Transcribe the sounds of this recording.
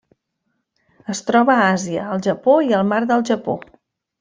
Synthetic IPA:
əst̪ɾɔβəaziəːlˠʒəpoiəlˠmaɾðəlˠʒəpo̰

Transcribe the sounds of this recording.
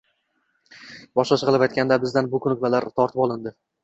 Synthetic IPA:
bɒʃlaʃqɨlˠɪpajt̪̚ʲkʲand̪abɪzd̪anbʊkʰʊnʊk̚ʲbalaɾt̪ʰɒɾt̪ʰɪpɒlˠɪnd̪ɪ

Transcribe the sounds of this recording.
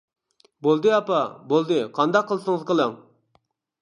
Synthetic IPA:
bolˠd̪ɨɑpɑbolˠd̪ɨqʰɑnd̪ɑq̚ʰːəlˠsɨŋzqʰəlˠəŋ

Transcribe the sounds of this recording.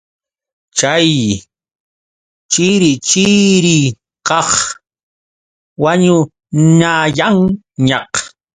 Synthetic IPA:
t͡ʃaj | t͡ʃɪɾɪt͡ʃɪɾɪ | kɑχ | waɲʊ | ɲajaŋ | ɲɑq

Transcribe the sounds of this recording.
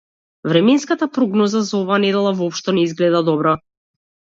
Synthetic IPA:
vɾɛmɛnskat̪apɾɔɡnɔzazaɔvaːnɛd̪ɛlˠavɔɔpʃt̪ɔnɛizɡlɛd̪ad̪ɔbɾɔ

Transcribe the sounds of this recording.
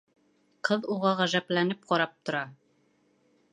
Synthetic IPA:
qʰɤðuʁɑʁæʒæplænɘp̚qɒɾɑp̚t̪ŏɾɑ

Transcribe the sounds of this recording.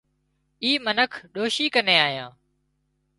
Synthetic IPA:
iːmənəkʰɗoːʃiːkəneːaːɦjãː

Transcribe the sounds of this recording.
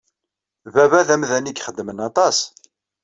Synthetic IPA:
vævæðæmðænikχəd̪ːmənɑt̪ˤɑs

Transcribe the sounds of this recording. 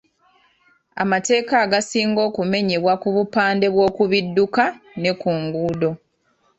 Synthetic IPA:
a̰mate̞ːkaːɡasiːŋɡo̞ːkume̞ɲeβwakuβupaːnde̞βwo̞ːkuβidːukane̞kuːŋɡuːdo̞

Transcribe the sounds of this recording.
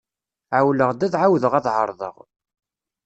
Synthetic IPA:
ʕawləʁd̪æðʕawðəʁæðhə̰ɾˤðˤə̰ʁ

